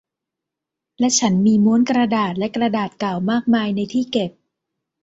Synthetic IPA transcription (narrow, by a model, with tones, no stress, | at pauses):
lɛ˦˥t͡ɕʰa˦˥nmiː˧mo˦˥nkɾa˧daː˨˩t̪̚lɛ˦˥kɾa˧daː˨˩t̪̚ka˨˩wmaː˥˩k̚maː˧jna˧jt̪ʰiː˥˩ke˨˩p̚